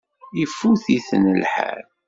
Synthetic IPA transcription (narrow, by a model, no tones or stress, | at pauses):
ifːuθiθnəlħa̰ɾ